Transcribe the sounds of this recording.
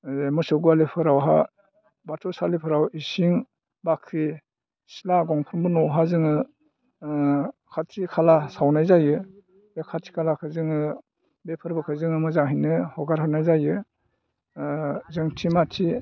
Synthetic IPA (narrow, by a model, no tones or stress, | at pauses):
mɯsɔɡualepʰɯɾawɦa | batʰɔsalipʰɯɾawisiŋ | bakʰɾi | silaɡɔŋpʰɯnbɯnɔwɦazɯŋɯ | kʰatʰikʰalasawnajzajɯ | bekʰatʰi̥kʰalakʰɯzɯŋɯ | bepʰɯɾbɯkʰɯzɯŋɯmɯzaŋɦijnɯhɔɡaɾɦanajzajɯ | zɯŋtʰimatʰi